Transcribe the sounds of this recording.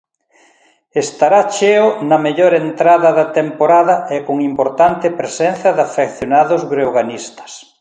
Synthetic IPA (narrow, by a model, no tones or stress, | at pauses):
est̪aɾat͡ʃeonɐmeʎoɾent̪ɾaðɐðɐt̪empoɾaðɐʔɛkoŋimpoɾt̪ant̪ɪpɾesɛnθjɐðafekθjonaðozβɾewɣanist̪ɐ̥s